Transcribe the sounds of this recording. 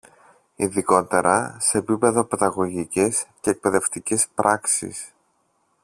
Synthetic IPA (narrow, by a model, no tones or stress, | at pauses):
iðiko̞t̪e̞ɾʔɐse̞ːpipe̞ðo̞peðɐɣo̞ʝicesce̞ːk̚pe̞ðe̞ft̪icespɾʔɐksḭs